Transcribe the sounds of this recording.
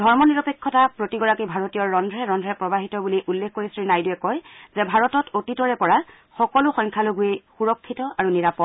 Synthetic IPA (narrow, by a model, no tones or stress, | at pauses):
dʱɔɹmɔniɹɔpekʰːɔtapɹotiɡɔɹakibʱaɹotijɔːɔndʱɹɛɹɔndʱɹɛpɹɔbaɦitɔbuliʔulːekʰkoɹisɹinajduɛkɔjzɛbʱaɹɔtɔtotitɔɹɛpɔɹa | xɔkɔlʊxɔ̃jŋkʰaloɡuejxuɹɔkʰːitɔaɹuniɹapɔt